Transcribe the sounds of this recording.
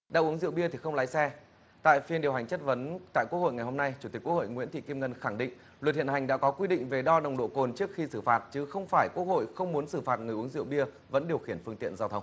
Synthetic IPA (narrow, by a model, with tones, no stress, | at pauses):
ɗaː˧˨wʔu˨˦əŋzḭ˧əwɓi˧ət̪ʰi˨˩xə˧wŋ͡mlaː˧˥jsɛ˧ | t̪a̰ː˧˨jfi˧ənɗi˨˩əwɦa˨˩ŋ̟t͡ɕə˦˥t̚və˨˦nt̪a̰ː˧˨jkək̚ho̰˧˨jŋa˨˩jho˧mna˧jt͡ɕu˧˩t̪i̟˨˩kːk̚ho̰˧˨jŋwḭ˧˥ənt̪ʰḭ˧˨ki˧mŋə˧nxa˧˩ŋɗḭ̈˧˨ŋ̟ | lwə˨˩t̚hḭ˧˨ənha˨˩ŋ̟ɗa̰ː˧˥kɔ˨˦kwi˧ɗḭ̈˧˨ŋ̟ve˨˩ɗɔ˧ɗə˨˩wŋ͡mɗo̰˧˨ko˨˩nt͡ɕɨ˦˥ək̚xi˧sɨ˧˩faː˨˩t̚t͡ɕɨ˨˦xə˧wŋ͡mfaː˧˩jku˦˥ək̚ho̰˧˨jxə˧wŋ͡mmu˨˦ənsɨ˧˩faː˨˩t̚ŋɨ˨˩əjʔu˨əŋzḭ˧˨əwɓi˧ə | və̰˧˥nɗi˨˩əwxi˧˩ənfɨ˧əŋt̪ḭ˧˨ənzaː˧wt̪ʰə˧wŋ͡m